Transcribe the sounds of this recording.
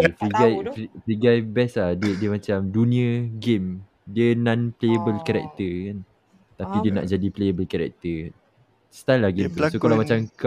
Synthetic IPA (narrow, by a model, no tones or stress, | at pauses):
fɾiɡajfifɾiɡajbɛslahdədiəmãt͡ʃamdunĩəɡem | diənãnplejəbəlkaɾɛ̰k̚t̪əkan | t̪apidiəna̰ʔd͡ʒadiplejəbəlkaɾɛ̰k̚t̪ə | st̪ajlːaɡesokalamat͡ʃamk